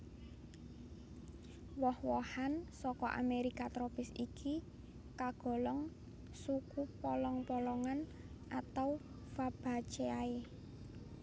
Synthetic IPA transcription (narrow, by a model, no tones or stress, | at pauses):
wɔhwɔhansɔkɔʔa̰meɾikat̪ɾopɪsikʰi | kaɡ̥ɔ̤lɔŋ | sukupɔlɔŋpɔlɔŋan | ʔat̪aw | fab̥a̤̥t͡ʃeae